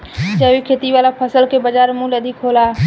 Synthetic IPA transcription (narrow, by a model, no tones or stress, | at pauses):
d͡ʒəbikʰet̪iʋalapʰəsəlkebəd͡ʒaɾmuləd̪ʱikɦola